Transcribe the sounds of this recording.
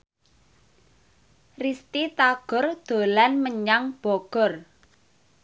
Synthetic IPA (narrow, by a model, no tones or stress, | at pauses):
rist̪it̪aɡ̥ɔrd̪̥o̤lanməɲaŋb̥ɔɡ̥ɔ̤r